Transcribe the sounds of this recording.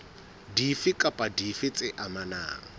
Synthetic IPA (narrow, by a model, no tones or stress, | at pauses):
difɪkʼapʼadifɪt͡sʼɪʔamana̰ːŋ̩